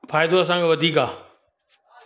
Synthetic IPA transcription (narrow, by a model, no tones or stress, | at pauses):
fʰaːɪd̪oɐsãːŋkʰeʋɐd̪ʱiːkaː